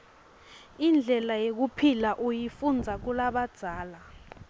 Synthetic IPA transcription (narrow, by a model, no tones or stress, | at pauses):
ind͡ɮʱɛlajek̬upʰilaʔujifund͡zʱak̬ulaɓad̥z̥ʱaːla